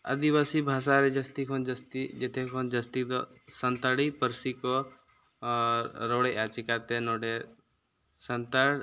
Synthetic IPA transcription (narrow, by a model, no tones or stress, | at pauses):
ə̰d̪iʋasibʱaːʃaɾed͡ʒɐst̪ikʰond͡ʒəst̪id͡ʒet̪ʰekʰond͡ʒəst̪id̪ɔ̰sənt̪aɽipəɾsiko | ɾoːɽeʔat͡ʃikat̪enoɖe | sənt̪aɽ